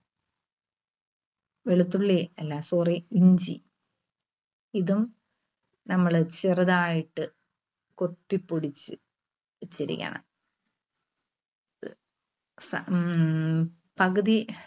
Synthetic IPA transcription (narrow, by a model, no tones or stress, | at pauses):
ʋeɭut̪ːuɭːeɐlːasoːreiɲd͡ʑi | iðum | nɐmːɐɭt͡ɕirɐðaːjiʈːɨ | ko̞t̪ːipːoɽit͡ɕːɨ̰ | t͡ɕːɐɾḭkʲːɐ̰ɳɐ̰m | sɐ | pɐɣɐði